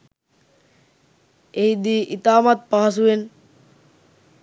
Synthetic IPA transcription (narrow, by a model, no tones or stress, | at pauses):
ejd̪iːʔit̪aːmat̪̚paɦas̬uen